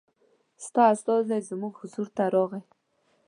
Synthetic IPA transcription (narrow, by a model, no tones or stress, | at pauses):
st̪ɑast̪ozd̪ajzmuɡhʊzuɾt̪aɾoɣaj